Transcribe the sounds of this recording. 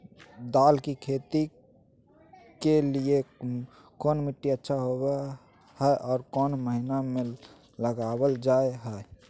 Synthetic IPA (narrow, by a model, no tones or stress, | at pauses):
d̪aːlkikʰet̪i | kelie | koːnmiʈːiətːʃʰaɦobe | hɛʔɔːɾkɔːnməɦiname | ləɡabəld͡ʒaeɦəe